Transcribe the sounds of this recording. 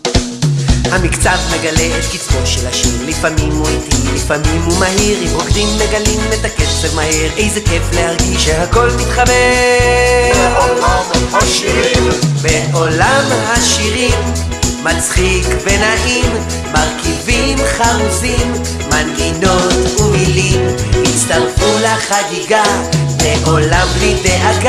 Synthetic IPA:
hamikt͡savme̞ɡaletkit̪voʃelaʃiʁlifamimutimlifamimumahiʁimʁokdimːeɡalimet̪aketbemaheʁejzekeflehaʁɡiʃehako̞lmit̪χabe | beʔo̞lamɦaʃiʁimː | at͡sχikvenaʔimː | aʁkivimχaʁuzimː | anɡino̞t̪umilimit͡st̪aʁfulaχaɡiɡabeʔo̞lamlid̪eʔaɡ

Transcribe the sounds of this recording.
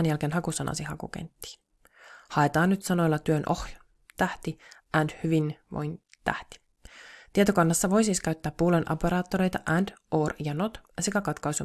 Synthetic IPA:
njælkenɦɑkusɑnɑ̰sihɑkṵkḛnt̪ːi̥ː | hɑe̞t̪ɑːnːyt̪sɑno̞jlːɑt̪yønʔohj | t̪æht̪iʔændhyʋinʋo̰jnt̪æ̰ht̪i̥ | t̪iet̪okɑnːɑsːɑʋo̞jsiːskæɥt̪ːæːpːuːlenʔo̰peɾɑːt̪ːoɾe̞jt̪ɑʔændoːrjɑnot̪sekækɑt̪kɑjsu

